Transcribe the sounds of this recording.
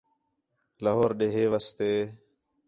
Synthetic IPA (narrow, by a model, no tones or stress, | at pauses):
ləɦoːɾɗeːɦeːʋəst̪eː